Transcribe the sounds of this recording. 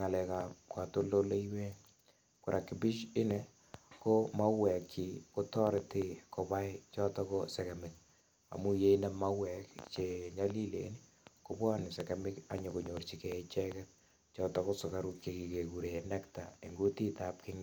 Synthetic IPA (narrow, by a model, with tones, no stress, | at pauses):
ŋa˨lɛ˨kapkwa˨to˦lo˦le˦iwe˦ | kuɾʔa˨kːɪ˨pi˦ʃɪ˦nɛ | ko˦ma˦wɛ˨kt͡ʃi˨ko˦tɔ˦ɾɪ˨tɪ˨ko˨pa˦jt͡ʃɔ˦tɔ˦kosɛ˨kɛ˨mɪk̚ | a̰˨mu˦je˦inɛ˦ma˦wɛ˨kt͡ʃe˨ɲa˦li˦lḛ˨n | kobwa˦nɪ˨sɛkemɪka̰˨ɲo˨ko˨ɲo˨rt͡ʃi˨kɛ˨t͡ʃɛ˦kɛ˦t̚ | t͡ʃɔ˦tɔko˦sʊ˨ka˦ɾu˦kje˨ki˨ke˨ku˨ɾe˨nɛ˦kta̰˨e˨ŋɡu˦ti˦tap̚kɪ˦ŋ